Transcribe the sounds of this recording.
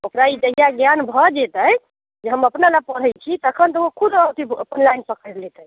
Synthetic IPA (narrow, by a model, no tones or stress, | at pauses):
okɾaid͡ʒ̪əɦijaɡjanbʱɔd͡ʒɛt̪əj | d͡ʒeɦəməpnalapəɽ̤əjt͡ʃʰit̪əkʰənt̪əokʰud̪əwt̪iə̰pənlajnpəkʰəd̪let̪əj